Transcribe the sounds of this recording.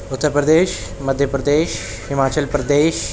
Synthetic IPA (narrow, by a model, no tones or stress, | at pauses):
ʊt̪ːəɾpɾəd̪eːʃmɐd̪ʱjəpɾəd̪eːʃ | hɪmaːt͡ʃəlpɾɐd̪eːʃ